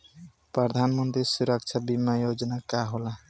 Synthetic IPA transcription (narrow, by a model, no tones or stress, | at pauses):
pɾʌd̪ʱanmənt̪ɾisuɾək̚t͡ʃʰabimajod͡ʒnakaɦola